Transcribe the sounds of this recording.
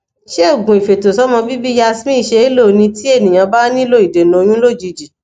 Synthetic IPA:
ʃe˦˨ɡũ˨i˨fe˨to˨sɔ˦mɔ̃˧bi˦bi˦ja˧smĩ˦i˦˨ʃe˧i˦lo˦˨˦nĩ˧ti˦e˦˨nĩ˨j̃ã˧ba˦nĩ˦lo˦˨i˨de˨nũ˨o˧j̃ũ˦lo˦˨d͡ʒi˧˨d͡ʒi˨

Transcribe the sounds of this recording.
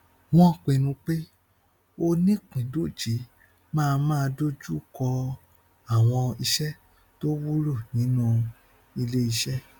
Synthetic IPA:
w̃ɔ̃˦˨k͡pẽ˧˨nũ˧k͡pe˦ | o˧nĩ˦k͡pĩ˨do˦˨d͡ʒi˨˦ | mãː˦˧mãː˦˧do˦d͡ʒu˦kɔ˧ | a˦˨w̃ɔ̃˧i˧ʃɛ˦ | to˦wu˦ɾu˦˨nĩ˨˦nũ˦˧ | i˧le˦i˧ʃɛ˦

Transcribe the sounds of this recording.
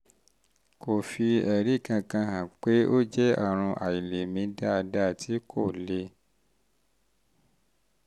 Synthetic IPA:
ko˨fi˧ɛ˨ɾi˦˨kã˧kã˧hã˨k͡pe˦ʔo˦d͡ʒɛ˦ɔ˦˨ɾ̃ũ˧ʔa̰˨i˨le˨mĩ˨˦da˦˧da˦˨tʰi˨˦kʰo˦˨le˧˦

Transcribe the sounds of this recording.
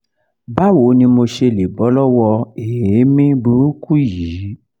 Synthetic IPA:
ba˦wo˨˦nĩ˧mo˧ʃe˧le˨bɔ˨˦lɔ˦wɔ˧e˨e˨˦mĩ˦bu˨˦ɾu˦ku˦ji˨˦

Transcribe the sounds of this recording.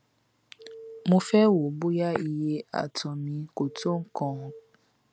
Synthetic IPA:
mõ˧fɛ˦wo˨bu˦ja˦i˧je˦a̰˨tɔ̃˨mĩ˨˧˦ko˨to˦ŋ̩˦kɔ̃˦˧˨

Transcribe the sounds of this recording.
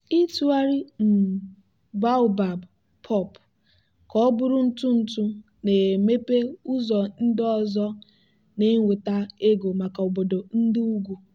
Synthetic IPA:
i˦tu˦a˦ɾi˦m̩˨ | ba˦ʊ˨ba˨b | pʰɔ˦˨p | kɔ˦bʊ˦ɾʊ˦n̩˦tʊ˦n̩˨tʊ˦ | ne˨me˦pe˦u˦zɔ˨n̩˦dɔ˦zɔ˦ | ne˦ŋʷe˨ta˦e˦ɡo˨ma˨ka˨o˨bo˨do˨n̩˦dɪ˦u˦ɡʷu˨

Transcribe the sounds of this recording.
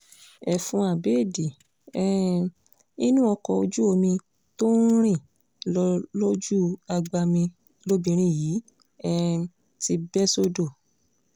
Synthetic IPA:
ɛ˨fũ˧˦a˨be˨˦˨di˨ | ɛ˦˨ | i˦nũ˦ɔ˧kɔ˧o˧d͡ʒu˦o˧mĩ˧ | to˦ɾ̃ĩ˦˨ | lɔ˧lo˦d͡ʒu˦a˧ɡ͡ba˧mĩ˧ | lo˦bĩ˨˧ɾ̃ĩ˧˨jiː˨˦ | ɛ˦ | ti˧bɛ˦so˦do˦˨

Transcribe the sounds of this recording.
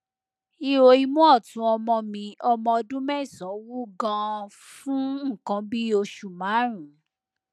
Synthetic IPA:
i˧o˧i˧mũ˦ɔ˦˨tũ˨˦ɔ˧mɔ̃˧mĩ˧ɔ˧mɔ̃˧ɔ˧dũ˦mɛ˦˨sɔ̃˨˦wu˦ɡã˧ | fũ˦ŋ̩˦˨kã˧˦bi˦o˧ʃu˨mã˨˦ɾ̃ũ˨

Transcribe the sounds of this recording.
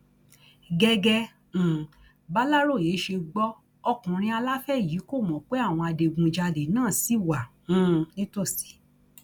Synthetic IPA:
ɡɛ˧ɡɛ̃˧˨ | ba˦la˦ɾo˦˨je˨˦ʃe˧ɡ͡bɔ˦ | ɔ˧kũ˨ɾ̃ĩ˧a˧la˦fɛ˦˨ji˨˦ko˦˨mɔ̃˨k͡pe˦a˦˨w̃ɔ̃˧a˧de˧ɡũ˧d͡ʒa˧de˨nãː˦˨si˨˦˨wã˨˦ | nĩ˦to˦˨si̥˨˦

